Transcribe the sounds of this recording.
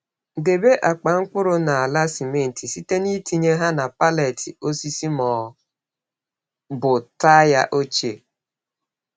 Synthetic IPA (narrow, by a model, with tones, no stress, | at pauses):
de˨be˦ʔa˨k͡pa˨ŋ̩˦k͡pʷʊ˦ɾʊ˦na˨a˨la˦si˨me˦n̩˨ti˨si˦te˦ni˦ti˦ɲe˦ɦa˦na˨pa˦le˨tʰi˨o˦si˦si˦mɔː˨ | bʊ˨ta˦ja˦ʔo˦t͡ʃe˨